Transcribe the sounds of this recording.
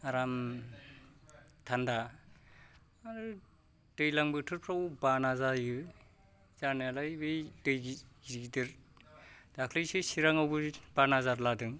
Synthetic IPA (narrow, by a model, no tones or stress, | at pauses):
aɾam | tʰanda | aɾɯ | d̥ɯjlaŋbɯtʰɯɾpʰɾawbanazajɯ | zanajalajbɯjdɯjɡiɡidɯɾ | d̥akʰlɯjsɯsiɾaŋawbɯb̥anazaɾladɯŋ